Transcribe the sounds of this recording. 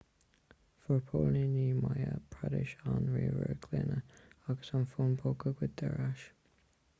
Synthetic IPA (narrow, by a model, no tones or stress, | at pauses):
fəɹpʰolniniːmajəpʰɹadɪʃanɹiːvəɹɡʰlɪnəaɡəsanfunbʰokəɡwɪd̪̚d̪ɛɹaʃ